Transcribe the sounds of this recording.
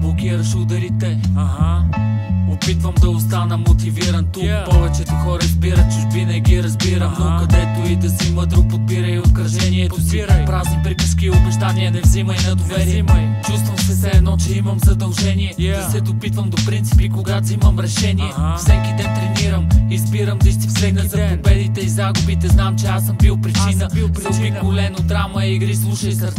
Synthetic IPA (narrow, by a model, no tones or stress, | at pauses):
blˠokiɾəʃɛʊd̪ɐɾit̪ɛ | opit̪vəmd̪ɐost̪anəmot̪iviɾənt̪ukpɔvɛt͡ʃɛt̪oxɔɾəzbiɾət͡ʃʊʒvinəɡʲiɾɐzbiɾəmnokɐd̪ɛt̪oid̪ɐziməd̪ɾuk̚pod̪̚biɾəiot̪̚kɾɐʒɛniɛposiɾɐmpɾavnipɾipiskiːobɛʒd̪aniɛnɛvziməinɐd̪ovɛɾiɛmt͡ʃust̪vəmsɛsɛːd̪nɔt͡ʃɛiməmzɐd̪ɐlˠʒɛniɛd̪ɐsɛd̪opit̪vəmd̪opɾint̪si̥pikoɡaziməmɾɛʃɛniɛfsɛkid̪ɛnt̪ɾɛniɾəmizbiɾəmd̪ist̪ip̪ɛnəzɐpobɛd̪it̪ɛizaɡʊbit̪ɛznamt͡ʃɛasəmbilˠpɾit͡ʃinəɐikolɛnod̪ɾaməiɡɾislˠuʃəjsɐɾ